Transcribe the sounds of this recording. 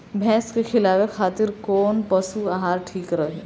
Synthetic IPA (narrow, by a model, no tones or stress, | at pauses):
bʱɛ̃ːskexɪlaːwexʰaːt̪ɪɾkoːnpɐsuaːɦaːɾʈʰiːkɾɐɦeː